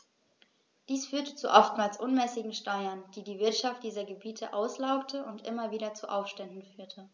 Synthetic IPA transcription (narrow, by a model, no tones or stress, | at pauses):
d̥iːsfyːɐtə̥t͡suʔɔftmaːlsʔʊnmɛːsɪɡŋ̩ʃtaɪɐnd̥iːdiːvɪɐtʃaft̚d̥iːzɐɡəbiːtʰəʔaʊslaʊktʰəʔʊntʔɪmɐviːɾɐt͡suʔaʊfʃtɛndn̩fyːɐtʰə